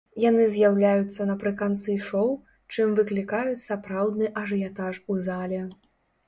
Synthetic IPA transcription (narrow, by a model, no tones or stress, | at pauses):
janɨzʲjawlʲajut̪sːɐnɐpɾɨkant̪sɨʂɔw | t͡ʂɨmvɨklʲikajut͡sʲsapɾawd̪nɨʔɐʐɨjat̪aʂuzalʲɛ